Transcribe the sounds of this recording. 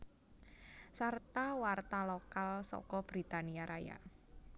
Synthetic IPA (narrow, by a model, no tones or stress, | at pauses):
sart̪awart̪alɔkalsɔ̰kɔb̥ɾit̪aniaɾʔaja̰